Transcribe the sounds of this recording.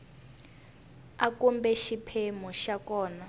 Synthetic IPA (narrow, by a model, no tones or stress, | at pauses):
akumbɛʃipʰemuʃakɔːna